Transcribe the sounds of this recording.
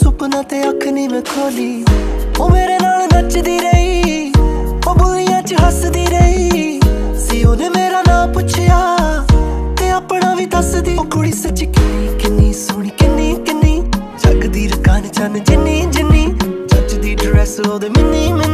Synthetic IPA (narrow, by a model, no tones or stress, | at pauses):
sʊpnãːt̪eːəkʰniːʋekʰoːliːoːmeːɾeːnaːlnət͡ʃd̪iːɾəiː | oːbolijãːt͡ʃəɦəsd̪iːɾəiː | siːoːneːmeːɾaːnãːpʊt͡ʃʰɪjaː | k̪eːaːpɳãːʋiːt̪əsd̪iːkʊɽiːsət͡ʃkɪniːkɪnːiːsʊɽ̃iːkɪnːiːkɪnːiːt͡ʃəkd̪iːɾkaːnt͡ʃənd͡ʒɪnːiːd͡ʒɪnːiːt͡ʃət͡ʃd̪iːɖɾɛːsoːd̪eːmɪnːiːmɪn